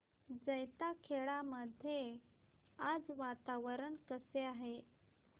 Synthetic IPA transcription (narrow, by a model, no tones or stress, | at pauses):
d͡zəjt̪akʰeɭaməd̪ʱje | ad͡zʋat̪aʋəɾənkəseaɦe